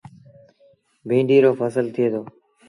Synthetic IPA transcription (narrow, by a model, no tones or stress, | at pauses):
bʱĩːɳɖiːɾoːfəsəlt̪ʰɪeːt̪oː